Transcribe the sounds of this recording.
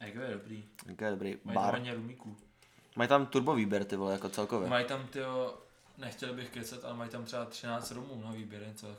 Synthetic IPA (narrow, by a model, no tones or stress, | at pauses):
ɛɡojɛdobɾiːɛ̰ɡojɛdobɾiːabaɾɲɛɾumiːkuː | majt̪amt̪uɾboviːbjɛɾt̪ɪvolɛjakot͡sɛlkovɛmajt̪amt̪ɪɦo | nɛxcɛlbɪxkɛt͡sɛt̪ʔa̰lɛmajt̪amt̪r̥ɛbat̪r̝̥ɪnaːt͡st̪ɾomuːnoɦoviːbjɛɾɛt͡sɛl